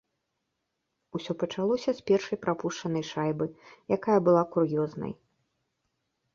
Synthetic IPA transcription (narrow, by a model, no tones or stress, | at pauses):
usʲɔpɐt͡ʂalˠɔsʲɐspʲɛrʂɐjpɾapuʂt͡ʂɐnɐjʂajbɨjakajɐbɨlˠakurjɔznɐ̰j